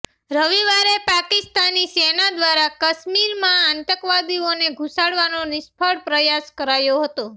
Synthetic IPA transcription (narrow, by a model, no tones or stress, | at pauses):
ɾəʋiʋaɾepakɪst̪anisenad̪ʋaɾakəʃmiɾmãant̪əkʋad̪ioneɡʱusaɽʋanonɪspʰəɽpɾəjaskəɾajoɦət̪o